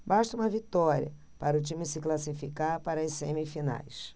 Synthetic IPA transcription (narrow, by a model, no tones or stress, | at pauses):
baʃt̪ɐũmɐvit̪ɔɾʲiɐ̰ | paɾɐʊt͡ʃĩmɪsɪklasifikaɾpaɾɐɐsẽmɪfina̰js